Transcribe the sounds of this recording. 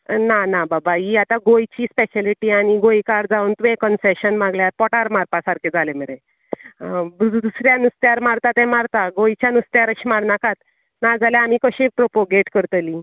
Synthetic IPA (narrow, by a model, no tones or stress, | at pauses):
nanababaiat̪aɡojt͡ɕiːspeɕaliʈiaɽ̃iɡojkaɽd͡zaunt̪ʋekənseɕənmãɡljaɾpɔʈaɾmaɾpasaɾked͡zalemeɾẽ | d̪usɾjanust̪jaɾmaɾt̪at̪ɛ̃maɾt̪aɡojt͡ɕjanust̪jaɾəɕiːmaɽnakat̪ | nad͡zʱaljaam̤ikəɕẽpɾopoɡeʈkəɾt̪əli